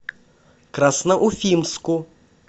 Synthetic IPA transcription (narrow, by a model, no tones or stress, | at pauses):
kɾasnɐʔufʲimsku